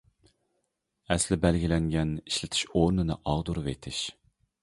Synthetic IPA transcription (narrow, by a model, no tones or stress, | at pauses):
ɛslɪbɛlɡʲilɛŋɡʲɛniʃlɪt̪ʰɪ̥ʃoɾnɨnɨ̰ʔɑʁd̪uɾɨvḛt̪ʰɪʃ